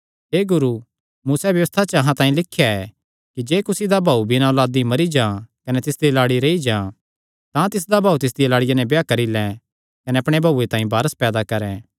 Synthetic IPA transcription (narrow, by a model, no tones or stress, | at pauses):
ɦeːɡʊɾu | muːsɛʋjɐʋəst̪ʰat͡ʃəɐɦãt̪ãːĩlɪkʰːjaɛ | kid͡ʒeːkʊsid̪abʱaːubʱinãɔːlaːd̪imɐɾid͡ʒãːkɐnɛt̪ɪsd̪ilaːɽiɾeid͡ʒãː | t̪ãt̪ɪs̬d̪abʱaːut̪ɪs̬d̪ijlaːɽɪjanɛ̃bejakɐɾilɛ̃ | kɐnɛɐpɽ̃ebʱɐuːet̪ãːĩbaːɾəspɛːd̪akɐɾɛ̃